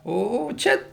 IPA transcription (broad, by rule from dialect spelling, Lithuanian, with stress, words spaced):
ˈoː ˈt͡ʃʲɛ